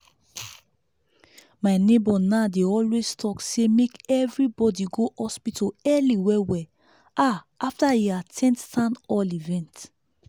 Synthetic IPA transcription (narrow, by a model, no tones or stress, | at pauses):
maɪnebɔnadeɔlwez̥tʰɔksemekɛvɹibɔdiɡohɔspitʰoɛliwɛwɛ | a | aftaiatʰɛ̃nttãnɔlivɛ̃nt